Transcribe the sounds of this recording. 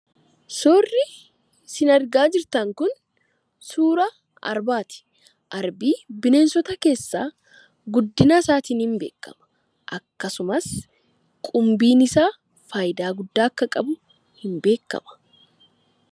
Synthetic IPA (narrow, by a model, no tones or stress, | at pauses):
soːrːɪ | sɪnɐɾɡaːd͡ʒɪɾt̪ɐŋkʊn | suːɾɐ | ɐ̰ɾbaːt̪ɪ̥ | ʔɐɾbiːbɪneːnsɔt̪ɐke̞ːsːaː | ɡʊd̪ːɪnaːsaːt̪iːnhɪmbeːkːɐ̰mɐ̥ | ʔɐkːɐsʊmɐs | kʼʊmbiːnɪsaː | faːjd̪aːɡʊd̪ːaːɐkːɐkʼɐbʊ | hɪmbe̞ːkːɐ̰mɐ̥